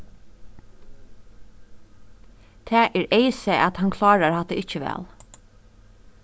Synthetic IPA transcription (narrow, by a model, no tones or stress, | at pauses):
t̪ʰæːʔɛɹeɪsɛʔat̪hankʰlɑːɹaɹhat̪əɪt͡ʃəʋɛ̰ːl